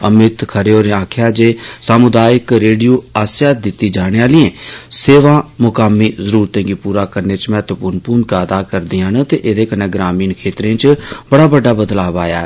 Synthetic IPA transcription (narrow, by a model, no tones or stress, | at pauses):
əmɪt̪kʰəɾeːoːɾeãːkʰjaːd͡ʒeːsaːmʊd̪aːjɪkɾeːɖijuːaːsjaːd̪ɪt̪ːiːd͡ʒaːɽ̃eːaːliẽːseːʋãːmʊkaːmːiːzəɾuːɾt̪ẽːɡiːpuːɾaːkəɾneːt͡ʃmɛ̃ːt̪ʊpʊnpuːnkaːd̪aːkəɾd̪ɪjãːnət̪eːʔed̪eːkəneːɡɾaːmiːnkʰeːt̪ɾẽːt͡ʃbəɽaːbəɖːaːbəd̪laːbaːja̰ː